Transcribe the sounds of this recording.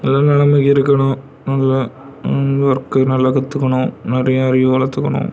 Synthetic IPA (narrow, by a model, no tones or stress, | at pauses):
nɐlːaːnɐɭɐmɪkːɪɾɯkːɐɳʊ̃ | nɐlːɐ | ʋɐrkːɯnɐlːɐkɐt̪ːɯkːɐɳʊ̃nɪɾɐjɐɐɾɪʋɐlɐt̪ːɯkːɐɳʊ̰̃